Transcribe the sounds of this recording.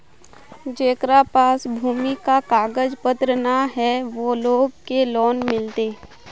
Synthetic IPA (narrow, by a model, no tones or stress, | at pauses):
d͡ʒeːkɾapaːsbʱuːmikakaːɡəd͡ʒpət̪ɾənaɦɛʋoːloːɡkelɔːnmɪlt̪eː